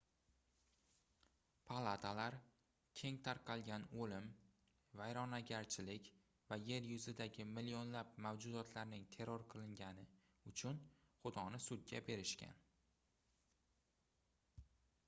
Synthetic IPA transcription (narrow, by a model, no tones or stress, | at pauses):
pʰalˠat̪ʰalaɾ | kʲʰe̞ŋt̪ʰaɾqʰɑlˠɡʲanolɪm | vajɾɒnaɡʲaɾt͡ʃʰɪlɪkʲ | vaje̞ɾjʊzɪd̪aɡʲɪmɪlijonlapmawd͡ʒʊd̪ɒt̪ʰlaɾnɪŋt̪ʰe̞ɾɒɾqʰɨlˠɪŋɡʲanɪ | ʊt͡ʃʰʊn | χʊd̪ɒnɪsʊd̪̚ɡʲa̰be̞ɾɪʃkʲa̰n